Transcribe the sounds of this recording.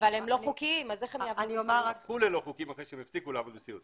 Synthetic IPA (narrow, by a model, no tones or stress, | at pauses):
valemloukimazeχemjeavniomaakuleloχukimaχiʃeemefsikuleavod̪bet͡siut